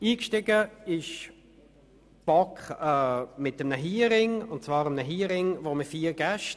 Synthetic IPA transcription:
iːkʃtɪɡəɪʃ | b̥ɔkχɛːmɪtəmnəɦiːɾɪŋʊntt͡sv̥ɑːɾəmnəɦiːɾɪŋvoməfiːɾɡ̥ɛʃt

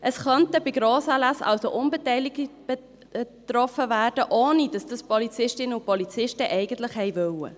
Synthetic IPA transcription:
ʔəsχœntəbɪɡɾoːsɑːlasɑ̰lsoʔʊnbɛtɛɪlɪɡb̥ɛ | t̪rɔfəvæːrdəʔoːnid̥ɑsd̥ɑspɔlit͡sɪʃtɪnəʊpɔlit͡sɪʃtəʔɛɪɡ̥ən̩tlɪχhɛɪvœwə̰

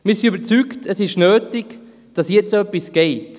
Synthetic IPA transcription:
miːɾsiybəɾt͡syktʰəsɪʃnøːtɪk | d̥ɑsjɛt͡soœpːisɡ̥ɛɪt

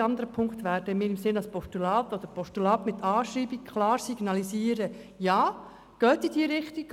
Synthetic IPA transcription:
ɑnd̪əɾəpʰʊŋkt̪ʋæːɾd̥əmɪːɾɪmsɪnɑlspɔʃtulɑːt̪od̥̪əɾpɔʃtulɑːt̪mɪt̪ʰɑːʃɾiːbikkʰlɑːɾsiɡ̥nɑlisiːəɾə | jɑː | ɡ̥œːtid̥iːəɾɪχtik

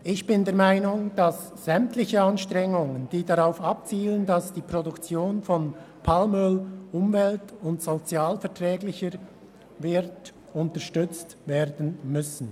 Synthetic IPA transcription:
ʔɪçb̥ɪndeːɐmaɪnʊŋd̥as | z̥ɛmtlɪçəɑnʃtʁɛŋʊŋənd̥iːdaʁaʊfɑp̚t͡siːləndasd̥iːpʁodʊkt͡sjoːnfɔn | pʰalmʏlʔʊmvɛltʊntsot͡sjaːlfɛɐtʁɛːɡlɪçəɾ | vɪɾt | ʊntəʃtʏt͡stveːɾdn̩mʏsn̩

